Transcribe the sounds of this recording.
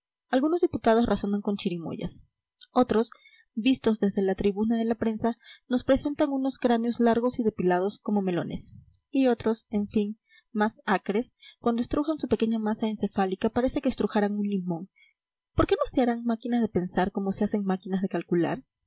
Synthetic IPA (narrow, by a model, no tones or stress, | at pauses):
alɣuno̞zðiput̪að̞o̞srʔaso̞naŋko̞nt͡ʃiɾimo̰ʝa̰s | o̞t̪ɾo̞s | bist̪o̞zðe̞zðe̞lat̪ɾiβunaðe̞lapɾe̞nsano̞spɾe̞se̞nt̪aŋuno̞skɾaneo̞zlaɾɣ̞o̞siðe̞pilað̞o̞sko̞mo̞me̞lo̞̰nes | io̞t̪ɾo̞se̞ɱfin | masakɾe̞skwand̪oest̪ɾuxansupe̞ke̞ɲamasaense̞falikapaɾe̞se̞ke̞ːst̪ɾuxaɾaŋunlimõ̞ŋ | po̞ɾke̞no̞seaɾaŋmakinazðe̞pe̞nsaɾko̞mo̞sease̞ŋmakinazðe̞kalkula̰ɾ